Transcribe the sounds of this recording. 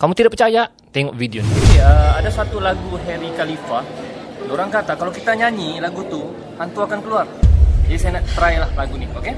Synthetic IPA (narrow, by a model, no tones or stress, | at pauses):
kamut̪idakpərt͡ʃaja | t̪ɛŋɔʔvideoniəadasat̪ulaɡuɦeɾikalifa | doɾaŋkat̪akalowkit̪aɲaɲilaɡut̪ʊ | hant̪uakankəluard͡ʒadisajanat̪əɾajlahlaɡunioke